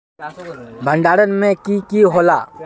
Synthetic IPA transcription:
bʱə̃ɳɖaːɾənmẽkikiɦolaː

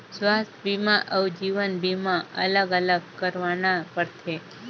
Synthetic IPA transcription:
sʋast̪ʰbimãʔəwd͡ʒiʋənbimãə̰ləɡələɡkəɾʋanapəɾtʰe

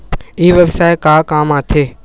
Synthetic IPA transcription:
ɪiʋəʋsaːekaːkaːmaːt̪ʰeː

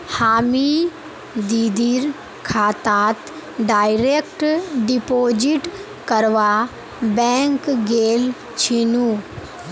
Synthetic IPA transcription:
haːmi | d̪id̪iɾ | kʰaːt̪aːt̪ | ɖaːɪɾekʈɖipoːd͡ʒiʈ | kəɾʋa | bɛ̃ːŋkɡeːl | t͡ʃʰinu

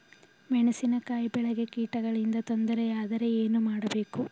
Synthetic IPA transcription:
mɛɳesinɐkaːjbɛɭɐɡe̞kiːʈɐɡɐɭind̪ɐt̪ond̪ɐɾejaːd̪ɐɾe̞eːnumaːɽɐbe̞ːku

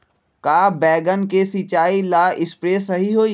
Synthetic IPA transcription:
kaːbɛːɡənkesit͡ʃaːilaːɪspɾeːsɐɦiɦoːi

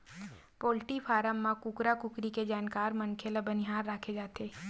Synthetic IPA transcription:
poːlʈifʰaːɾamːãkʊkɾakʊkɾiked͡ʒaːnkaːɾmɐnkʰelabɐniɦaːɾːaːkʰed͡ʒaːt̪eː

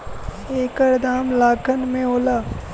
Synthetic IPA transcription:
eːkəɾd̪aːmlaːkʰənmẽɦoːlaː

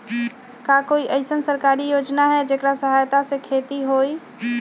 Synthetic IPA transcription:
kaːkoiʔəɪsənsəɾkaːɾijoːd͡ʒnaɦɛd͡ʒeːkɾasəɦajt̪asekʰeːt̪iɦoːi

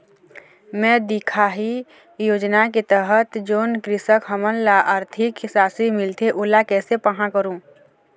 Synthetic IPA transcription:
mɛ̃ːd̪ɪkʰaɦi | joːd͡ʒnaket̪əɦət̪d͡ʒoːnkɾɪsəkɦəmənlaʔaːɾt̪ʰɪksaːsimɪlt̪eʔʊlakɛːsepəɦãkəɾũː

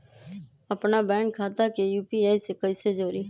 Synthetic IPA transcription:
əpnaːbɛ̃ːŋkʰːaːt̪aːkeːjuːpiːaːiːseːkəiseːd͡ʒoːɾiː

